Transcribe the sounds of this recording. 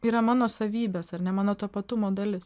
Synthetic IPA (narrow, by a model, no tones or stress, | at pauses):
iːɾɐmɑːnoːsɐʋʲiːbʲeːsɐɾnʲɛmɑːnoːt̪ɐpɐt̪ʊmoːd̪ɐlʲɪs